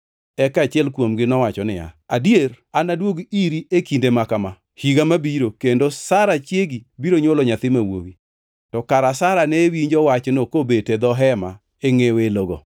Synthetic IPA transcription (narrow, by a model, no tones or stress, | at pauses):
ɛkat͡ʃɪɛlkwomɡɪnɔwat͡ʃɔnɪa̰a̰djer | anadwoɡiɾiekindemakama | hiɡamabiɾokendosaɾat͡ʃjeɡibiɾoɲwolɔɲat̪ɪmawo̰wi | tɔkaɾasaɾanewiɲd͡ʒɔwat͡ʃnokobetɛd̪ɔɦɛma̰ | eŋeweloɡo̰